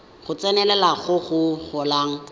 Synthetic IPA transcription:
χʊt͡sɛnɛlɛlaχʊχʊχʊlaːŋ̩

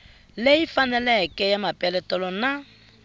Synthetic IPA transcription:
leifanɛlɛkɛjamapʼɛlɛtɔlɔna

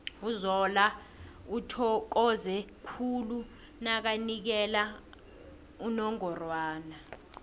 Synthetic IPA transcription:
uzɔla | utʰɔk̬ɔzɛkʰulu | nak̬anik̬ɛla | unɔŋɔrwaːna

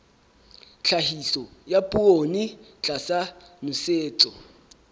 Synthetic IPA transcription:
t͡ɬʰaɦisɔjapʼuonit͡ɬʼasanʊseːt͡sʼɔ

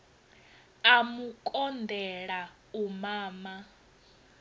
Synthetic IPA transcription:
amukʼɔndʱɛɺa | umaːma

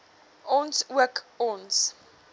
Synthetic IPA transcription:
ɔnswəkɔns

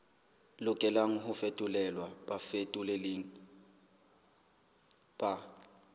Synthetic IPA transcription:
lʊkʼɛlaŋ̩ɦʊfetʼʊlɛlwapʼafetʼuleleŋ̩ | pʼa

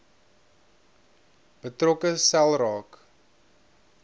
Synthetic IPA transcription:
b̥ətrɔkəsælˠrɑːk

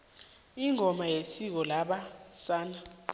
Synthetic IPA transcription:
iŋʱɔmajesik̬ɔlaɓasaːna

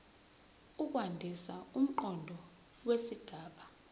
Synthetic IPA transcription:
uk̬wandʱisaum̩ǃɔndʱɔ | wesiɡ̥ʱaːɓa

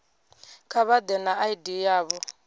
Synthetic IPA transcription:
kʰaβad̪ɛnaaidijaːβɔ

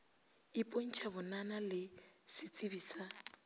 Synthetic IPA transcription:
ipʼon̩t͡ʃʰabʊnanalɪsɪt͡sʼibiːsa

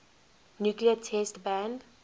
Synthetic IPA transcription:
njukliətʰɛstbæ̃nd

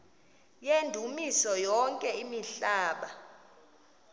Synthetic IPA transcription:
jendʱumisɔjɔŋkʼɛimiɬaːɓa

